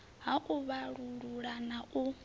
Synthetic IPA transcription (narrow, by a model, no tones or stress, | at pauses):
ɦaʔuβaɺuɺuɺanaʔu